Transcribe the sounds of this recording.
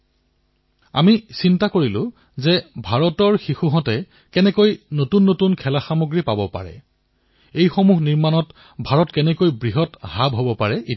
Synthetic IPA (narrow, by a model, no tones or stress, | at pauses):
a̰misintakoɹilʊ̃ | zɛbʱaɹɔtɔɹxixuɦɔ̃tɛ | kɛnɛkojnotunːotunkʰɛlaxamoɡɹipabɔpa̰ɹɛ̰ | ejxomuɦniɹmanɔt | bʱaɹɔtkɛnɛkojbɹiɦɔthabɦobɔpaɹɛʔi